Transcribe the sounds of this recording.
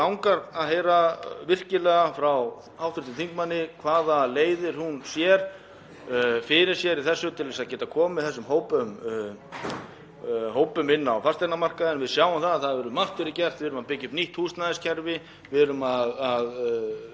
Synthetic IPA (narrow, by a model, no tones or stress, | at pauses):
kawŋkaɾaðɦeːjɾavɪr̥cɪlɛɣafɾaw | awθʏɾ̥t̪ɪθiŋkmanːɪkʰvaːðaleːjðɪɾ̥hunsjɛɾ̥ | fɪɾɪɾ̥sjɛɾiðθɛsːʏt̪ʰɪlvɛs̬aðcɛːt̪akʰɔːmmɪðθɛsːʏmhoːwpʏm | ɦoːwpʏmɪnːawfar̥st̪aɾnamar̥kaɛnvɪðsjawamθaðθaðvɛɾʏmːal̥t̪ʏɾɪcɛr̥t̪vɪɾʏmaðpɪcːʏpniht̪huːst̪naðɪscʰɛɾvɪ | vɪɾʏmaðað